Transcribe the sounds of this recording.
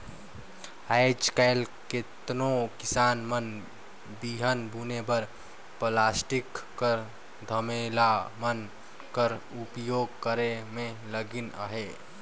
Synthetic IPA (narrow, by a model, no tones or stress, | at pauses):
aɪd͡ʒkaɪlket̪nokisaːnmən | biɦənbʱunebəɾ | plaːsʈikːəɾ | d̪ʱəmelamən | kəɾupjoɡ̚kəɾemẽləɡinə̰ɦe